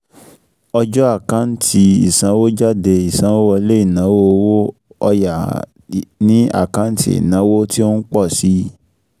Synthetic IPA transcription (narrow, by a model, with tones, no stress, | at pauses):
ɔ˧d͡ʒɔ˦a˦˨kã˦n̩˦ti˧i˨sã˨˦wo˦d͡ʒa˦de˧i˨sã˨˦wo˦wɔ˧˦le˦i˦˨nã˨˦wo˦o˧wo˦ɔ˧ja˨ | nĩ˦a̰˦˨kã˦tḭ˦ḭ˨nã˨˦wo˦ti˦o˦n̩˦k͡pɔ˦˨si˨˦